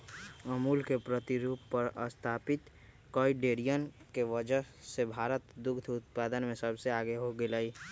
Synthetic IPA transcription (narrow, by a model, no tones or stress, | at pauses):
əmuːlkepɾət̪iɾuːpːəɾəst̪ʰaːpɪt̪ | kɔːiɖeːɾijənkeʋəd͡ʒəɦ | sebʱaːɾət̪d̪ʊkd̪ʱʰʊt̪̚paːd̪ənmẽsəbseaːɡeɦoɡelai